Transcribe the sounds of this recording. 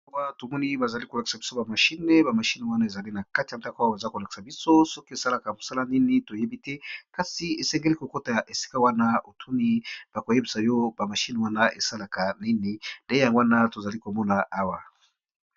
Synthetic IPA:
a˦wa˦to˨mɔ˦ni˦ba˨za˨li˦ko˨la˨ki̥˨sa˨bi˦so˦ba˨ma˨ʃi˦ne˦ba˨ma˨ʃi˦ne˨wa˦na˦e˨za˨li˦na˨ka˦ti˨ja˨nda˦kwa˦ba˨za˦ko˨la˨ki̥˨sa˨bi˦so˦sɔ˦ko˦e˨sa˦la˨ka˨mo˨sa˦la˦ni˦ni˦to˨je˦bi˦tɛ˦ka˨si˨e˨sɛ˦ŋɡe˦li˦ko˨ko˦ta˨ʔe˨si̥˦ka˦wa˦na˦o˨tʰu˦ni˦b̥a˨ko˨je˦bi˨sa˨jo˦ba˨ma˨ʃi˦ne˨wa˦na˦ʔḛ˨sa˦la˨ka˨ni˦ni˦nde˦e˦ja˨ŋɡwa˦na˦to˨za˨li˦ko˨mɔ˦na˨ʔa˦wa˨

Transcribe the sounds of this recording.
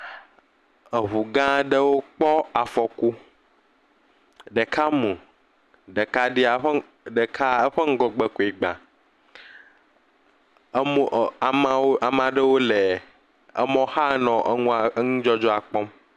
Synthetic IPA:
ə˨ɦu˨ɡã˦ɖe˦wo˦k͡pɔ˦a˨fɔ˨ku˦ | ɖɛ˨kʰa˦mũ˨ | ɖe˨ka˦ɖi˦a˨ɸ | ɖe˨kʰa˦ə˦ɸə˦ŋ̩˦ɡɔ˨ɡ͡bɛ˦ku˨i˨ɡ͡bã̰˨˦ | a˨ma˨o˦a˨mã˨ɖə˦wo˦le˨ | ɛ̰˦mɔ̃˦xa˦nɔ̃˨ʔə˦ŋũ˦a˨˦ŋũ˦d͡ʒɔ˦d͡ʒɔ˦a˨k͡pɔ˦m

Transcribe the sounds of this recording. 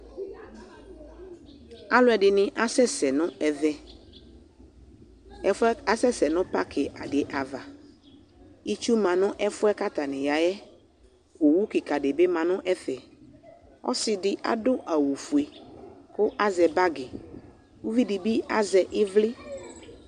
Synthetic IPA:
a˦lʊ˦ɛ˨ɖɪ˨nɪ̃˨ʔa˦sɛ˦sɛ˨nʊ̃˦ɛ˨vɛ˦ | ɛ˨fɛ˦a˦sɛ˦sɛ˨nʊ̃˦pa˦kʰɪ˨ʔa˨dɪ˨ʔa˨va˨ | i˦t͡ʃu˦mã˨nʊ̃˦ʔɛ˦fʊ˦ɛ˦ka˦t̪a˨nɪ̃˨ja˨jɛ˦ | ku˨wu˦kɪ˨ka˨dɪe˨be˦mã˨nʊ̃˦ʔɛ˦θɛ˨ | ɔ̰˦sɪ˨dɪ˦ʔa̰˦dʊ˦ʔa˨wu˨fu˨e˨kʊ˦ʔa˦zɛ˨ba˦ɡɪ˨ | wu˦vi˦di˨bi˦a˦zɛ˨ʔɪ˦vlɪ˦

